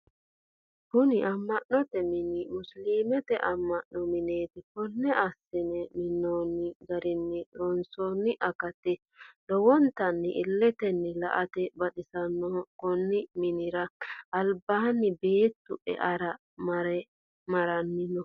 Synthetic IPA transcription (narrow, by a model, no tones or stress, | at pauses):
kʊnɪʔɐmːɐʔːɔt̪ɛmɪnɪmʊsliːmɛt̪ɛʔɐmːɐʔːɔmɪneːt̪ɪkɔnːɛʔɐsːɪnɛmɪnːoːnːɪɡɐɾɪnːɪɾɔnsoːnːɪʔɐkɐt̪ɛ | lɔwɔnt̪ɐnːɪʔɪlːɛt̪ɛnːɛlɐ̰ʔɐt̪ɛbɐɗɪsɐnːɔkɔnːɪmɪnɪɾɐɐlbaːnːɪbeːt̪ːʊ̰ʔɛ̰ʔɐɾɐ | mɾɛ | mɐɾɐnːɪnɔ